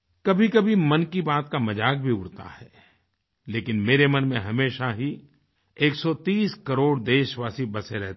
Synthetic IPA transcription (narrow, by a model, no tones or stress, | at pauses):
kɐbʱikɐbʱimɐnkibaːt̪kamɐd͡ʒaːk̚bʱiʊɽt̪a̰ɦɛː | leːkɪnmeːɾemɐnmẽɦɐmeːʃaɦi | eːksɔt̪iːskɐɾoːɽd̪eːʃʋaːsibɐseɾɛɦ̪